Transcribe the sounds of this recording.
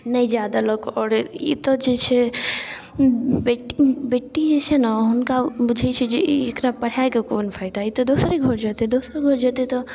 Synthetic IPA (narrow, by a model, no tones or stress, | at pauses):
nəjd͡ʒjad̪aloɡɔːɾḭt̪ɔd͡ʒet͡ʃʰɛ | beʈːibeʈːid͡ʒet͡ʃʰɛnaɦunkabud͡ʒʱɛt͡ʃʰɛd͡ʒeekɾapəɽ̤aekekonpʰaɪd̪ait̪ɔd̪osɾiɡʱɔɾd͡ʒat̪ed̪osɾɡʱɔɾd͡ʒat̪ɛt̪ɔ